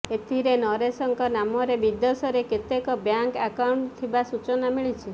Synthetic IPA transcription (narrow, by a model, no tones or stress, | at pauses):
et̪ʰiɾenɔɾesɔŋkɔnamɔɾebid̪ɔsɔɾeket̪ekɔbjaŋkakawɳʈt̪ʰibasut͡ʃɔnamiɭit͡ʃʰi